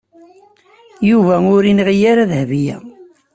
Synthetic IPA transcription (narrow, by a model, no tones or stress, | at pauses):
juvæʊɾinʁijaɾaðhvijæ̰